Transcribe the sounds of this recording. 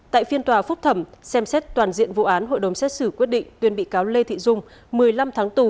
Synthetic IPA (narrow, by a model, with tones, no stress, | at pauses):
t̪a̰ː˧˨jfi˧ənt̪waː˨˩fʊ˦˥k͡p̚t̪ʰə˧˩msɛ˧msɛ˦˥t̚t̪waː˨˩nzḭ˧˨ənvṵ˧˨ʔaː˨˦nho̰˧˨jɗə˨˦wŋ͡msɛ˦˥t̚sɨ˧˩kwi˦˥ət̚ɗḭ˧˨ŋ̟t̪wi˧ənɓḭ˧˨kaː˨˦wle˧t̪ʰḭ˧˨zʊ˧ŋ͡m | mɨ˨˩əjla˧mt̪ʰaː˨˦ŋt̪u˧˩